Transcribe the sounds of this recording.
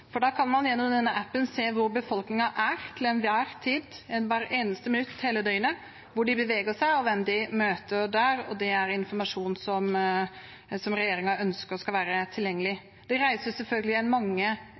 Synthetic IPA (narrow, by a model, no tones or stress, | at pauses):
fɔɖɑːkʰɑnmɑnjɛnːɔmd̪ɛnːəʔæpːənseːʋʊɾbəfɔlknɪŋɑʔæɾt̪ʰɪlɛnʋæːɾt̪ʰiːd̪ɛnʋæɾeːnəst̪əmɪnʉt̪ːheːləd̪œʏənə | ʋʊɖɪbəʋeːɡəʂæɪɔʋɛmd̪ɪmøːt̪əɾɖ̪æːɾɔ̰d̪ɛæɾɪnfɔmɑʂuːnsɔm | sɔmɾɛjeːɾɪŋɑœnskəɾɔskɑʋæːɾət̪ʰɪljɛŋːəlɪ | d̪̥ɛɾæɪsəʊsɛlfœlɡəlɪɛnmɑŋːə